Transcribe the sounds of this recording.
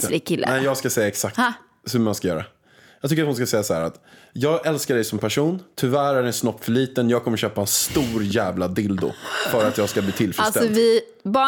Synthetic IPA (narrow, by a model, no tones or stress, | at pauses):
ɾɪkʰɪlːə̰nɛjɑːɡskasɛjːaɛksak̚t̪ | hɵmanskajœːɾa̰ | jɑt̪ʏkːɾat̪hʊns̬kasɛjːasahæ̰ːɾat̪ | jɑːɡʔɛlskaɖɛjsɔmpʰæʂuːnt̪ʰʏvæːɾæɖɛɛnsnɔpːfœɭiːt̪ənjɑːɡ̚kʰɔmːəɾɕøːpaɛnst̪uːɾjæːvlad̪ɪld̪ʊ̰fœːɾat̪jɑːɡskabliːt̪ʰɪlfɾst̪ɛɔɪ | bɑː